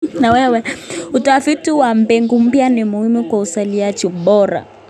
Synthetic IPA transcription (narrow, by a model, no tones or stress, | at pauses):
nawɛwɛutafitiwam̩bɛŋɡum̩pjanimuhimukwausaliad͡ʒiɓɔɾa̰